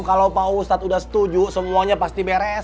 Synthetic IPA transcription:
kalawpaust̪at̪udahsə̥t̪ud͡ʒusəmuaɲapast̪ibeɾɛs

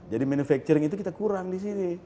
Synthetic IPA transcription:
d͡ʒadimɛnufɛk̚t͡ʃuɾiŋit̪̬uk̬it̪akuɾaŋdis̬ini

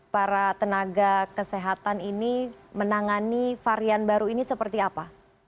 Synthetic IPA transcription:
paɾat̪ənaɡakəseɦat̪aninimənaŋanifaɾianbaɾuinisəpərt̪iapa

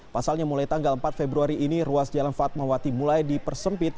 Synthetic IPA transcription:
pasalɲamulajt̪aŋɡaləmpat̪̚febɾuaɾiʔːniruasd͡ʒalanfat̪̚mawat̪imulajdipərsəmpɪt̪̚

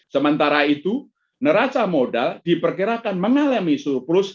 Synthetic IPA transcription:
səmənt̪aɾait̪u | nəɾat͡ʃamodald̥ipərkiɾakanməŋalamisurplʊs

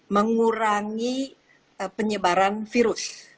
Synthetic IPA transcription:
məŋuɾaŋi | əpəɲəbaɾanfiɾʊs

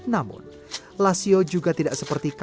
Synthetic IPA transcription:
namʊ̰n | lasiod͡ʒuɡat̪idaʔsəpərt̪ik

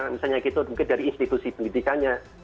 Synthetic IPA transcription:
misalɲakit̪umuŋkɪndaɾiːnst̪it̪usipəndid̪ikaɲa

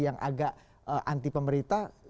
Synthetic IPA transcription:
jaŋʔa̰ɡaʔ | əʔa̰nt̪ipəməɾit̪a

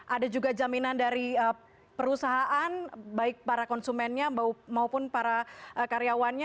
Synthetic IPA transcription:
ʔadad͡ʒuɡad͡ʒaminandaɾiə | pəɾusaɦaʔanbaɪk̚paɾakɔnsumɛnɲaamaupʊnpaɾaəkaɾeawanɲa

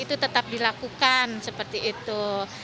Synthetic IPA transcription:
it̪ut̪ət̪ap̚dilakukansəpərt̪iːt̪u

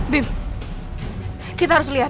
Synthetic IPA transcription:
bim | kit̪aɦaɾʊs̬liɦa

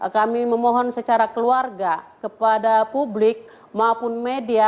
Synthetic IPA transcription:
kamiməmɔɦɔnsət͡ʃaɾakəluarɡakəpadapublɪk̚ | maupʊnmedia

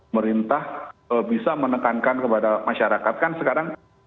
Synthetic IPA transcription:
məɾint̪ahəbisamənəkankankəpadamaʃaɾakat̪̚kansəkaɾaŋ

